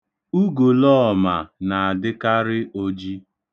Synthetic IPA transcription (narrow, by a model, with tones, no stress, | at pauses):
u˦ɡo˨lɔ˦ɔ˨ma˨na˨a˨dɪ˦ka˦ɾɪ˦o˦d͡ʒi˦